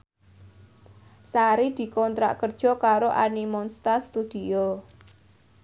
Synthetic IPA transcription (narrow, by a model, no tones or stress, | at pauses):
saɾid̪̥i̤kɔnt̪ɾa̰ʔkərd̥ʒ̥ɔ̤kaɾoʔanimɔnst̪ast̪ud̪̥io